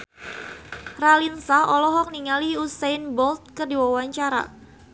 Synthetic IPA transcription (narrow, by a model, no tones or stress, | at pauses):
ralinsaɔlɔɦɔk̚niŋaliusajnbɔlt̪̚kərdiwawaɲt͡ʃaɾa̰